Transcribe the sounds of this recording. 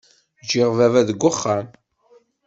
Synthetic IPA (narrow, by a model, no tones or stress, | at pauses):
d͡ʒɪʁvævæðəɡʷːəχːam